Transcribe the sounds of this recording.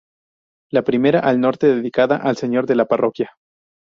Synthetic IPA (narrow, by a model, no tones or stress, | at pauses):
lapɾime̞ɾaʔalno̞ɾt̪e̞ðe̞ðikaðaʔalse̞ɲo̞ɾðe̞laparo̞kja